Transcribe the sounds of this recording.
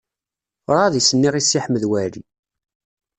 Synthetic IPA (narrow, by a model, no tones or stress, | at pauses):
ʊɾˤaðisənːiʁisːiħməðwæɾḭ